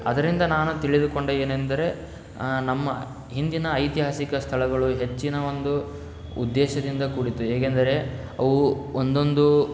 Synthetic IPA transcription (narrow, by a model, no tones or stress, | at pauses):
ɐd̪ɐɾind̪ɐnaːnut̪iɭid̪uko̞ɳɖeeːnend̪ɐɾe̞ | nɐmːɐ | ɦind̪inɐːjt̪iɦaːsikɐst̪ʰɐɭɐɡɐɭuɦe̞t͡ʃːinɐo̞nd̪u | ud̪ːɛːʃɐd̪ind̪ɐkuɽit̪ueːkend̪ɐɾe̞ | ɐʋuond̪o̞nd̪u